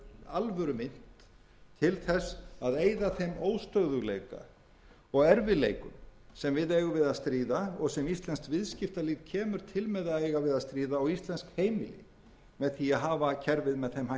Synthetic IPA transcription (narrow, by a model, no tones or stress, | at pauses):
alvœɾʏmɪn̥t̪ʰ | ɪlθɛsaðeːjðaθejmoːwst̪œɣðʏɣlejka̰ | ɔɣɛɾvɪlejkʏ̰msɛmvɪðɛːɣʏvɪðaðst̪ɾiːðaɔɣsɛmist̪lɛnst̪vɪðscɪft̪aliɣcʰɛːmʏɾ̥t̪ʰɪlmɛðaðejɣavɪðast̪ɾiːðaɔɣist̪lɛnskheːjmɪ̰lɪ̰ | mɛðθiaðɦaːvacʰɛɾvɪðmɛðθejmha